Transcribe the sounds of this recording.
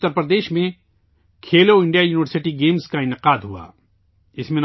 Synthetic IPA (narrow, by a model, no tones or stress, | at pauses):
t̪ːəɾpɾəd̪eːʃmẽ | kʰeːloɪ̃ɳɖijajuːnɪʋəɾsɪʈiɡeːmskaɪnɪqaːd̪ɦua̰ː | ɪsmẽn